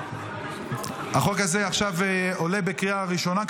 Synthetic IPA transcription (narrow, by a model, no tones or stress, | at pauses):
haχo̞khaze̞aχʃavo̞le̞bekiaʁiʃo̞na